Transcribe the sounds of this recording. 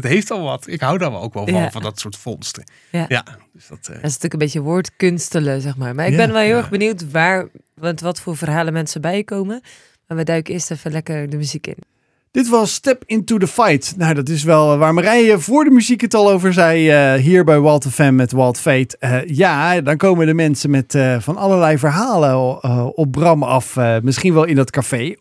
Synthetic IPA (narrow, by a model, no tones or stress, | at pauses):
ətɦejftɑlˠʋɑ̰tɪkɦawdɔnʋ̰o̰wkʋɛ̰lˠɑnvɑdɑtsʊːɹtfɔnstə | jajad̥əsd̥ɑtɪsntyːləkənmbejcəʋʊːɹtkɵnstələzɛχmaːɹmaːɹɪɡbɛnʋɛlˠɦɪlˠɛχbəniwtʋaːɹ | ʋɛtʋɑtfʊːɹvərɦaːlənmɛnsəbɛjəkowmə | maːɹʋədœɥkəɪːɹstɛfənlɛkəɹdəmyzikɪ̰n | d̥ɪtʋɑsːtɛpɪntudəfajtnowdɑtɪsʋɛlˠʋaːɹmərɛjəvʊːɹdəmyzikətɑlˠowvəɹzɛjɦiːɹbɛjʋɔlˠtɛfɛmːɛtʋɔlˠtfejtəjadɑnkowmədəmɛnsənmɛtvɑnɑləɹlɛjvəɹɦaːləəɔp̚brɑmɑfmɪsχinʋɛlˠɪndɑtkafej